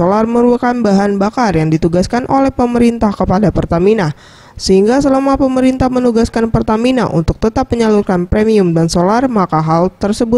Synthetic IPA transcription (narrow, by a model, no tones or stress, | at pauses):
olarməɾuəkanbaɦanbakarjaŋdit̪uɡaskanʔolɛhpəməɾint̪ahkəpadapərt̪amina | səhiŋɡasəlamapəməɾint̪ahmənuɡaskanpərt̪amina̰ʔṵnt̪ʊk̚t̪ət̪ap̚məɲalurkanpɾemiʊmdansolarmakaɦalt̪ərsəbʊt̪